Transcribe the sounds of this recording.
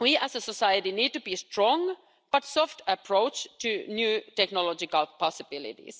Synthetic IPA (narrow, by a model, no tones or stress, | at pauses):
wiʔæsəsɔsajətiniːd̚tubistɹɔ̃ŋ | b̥ʌtsɔftəpʰɹoʊt͡ʃtʰɨnjʉːtɛknɔlɔd͡ʒɪkalpʰɔsɪbɪlɪ̰tḭs